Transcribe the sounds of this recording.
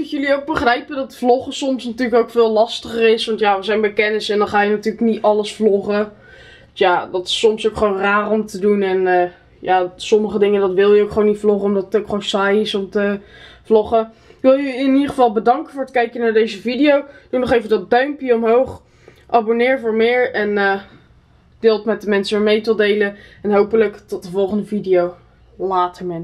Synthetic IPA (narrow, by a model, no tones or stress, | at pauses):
ɪkjəliowk̚bəχrɛjpədɑtəflɔχəsɔmsnatyːɹləkowkfɪːlˠlɑstəχərɪsʋɑntjaʋəɹzɛjnbɛjkɛnɪsɛndɑnχaːjənatyːɹləknitɑləsflɔχə | jadɑtɪ̥sɔmsowkχʋownraːrɔmtədunɛnə | jaːsɔməχədɪŋəndɑtʋɪlˠjəowkχəʋownitflɔχəɔmdɑtətowkχʋownsajɪsɔmtəvlɔχəɪkʋɪlˠjyɪnidəχəvɑlˠbədɑŋkəvʊːɹətkɛjkənaːɹdejzəvidijowd̥unɔχejvəndɑt̚dœɥmpjəɔmɦowχ | ʔabonɪːɹvʊːɹmɪːɹɛnə | dɪːlˠtmɛt̚dəmɛnsəəɹmejtəlˠdejləɛnɦowpələktɔt̚dəvɔlˠχəndəvidijow | laːtəɹmɛn